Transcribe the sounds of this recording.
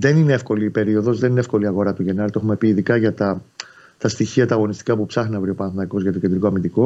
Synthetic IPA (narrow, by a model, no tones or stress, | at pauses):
ðe̞nineefko̞liːpe̞ɾio̞ðo̞zðe̞nineefko̞liɐɣo̞ɾɐt̪uʝe̞nɐɾt̪oe̞xume̞piːðikɐʝɐt̪ɐ | t̪ɐst̪içiɐt̪ɐːɣo̞nist̪i̥kɐpupsɐxnɐvɾio̞pɐnθimɐko̞zʝɐt̪oced̪ɾiko̞ɐmind̪iko̞